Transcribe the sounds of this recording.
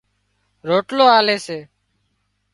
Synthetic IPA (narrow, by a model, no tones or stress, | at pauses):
ɾoːʈloːaːleːseː